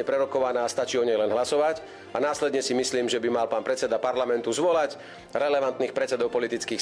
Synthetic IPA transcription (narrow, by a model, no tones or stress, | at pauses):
ɛpɾɛɾɔkɔʋanaːst̪at͡ʃiːɔɲɛjlɛnɦlasɔʋac | anaːslɛd̪ɲɛsimisliːmʒɛbimalpaːnpɾɛt͡sɛd̪apaɾlamɛnt̪uzʋɔlac | ɾɛlɛʋant̪niːxpɾɛt͡sɛd̪ɔʊpɔlit̪it͡skiːx